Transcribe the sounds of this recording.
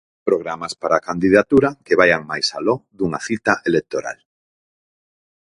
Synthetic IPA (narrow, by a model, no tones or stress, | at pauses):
pɾoɣɾamaspaɾaːkand̪iðat̪uɾakeβ̞ajaŋmajsalɔðuŋaθit̪aʔelek̚t̪oɾa̰l